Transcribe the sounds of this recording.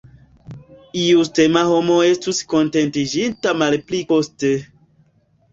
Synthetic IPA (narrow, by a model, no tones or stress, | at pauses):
iuste̞maho̞mo̞e̞stusko̞nte̞ntid͡ʒintamalplikoste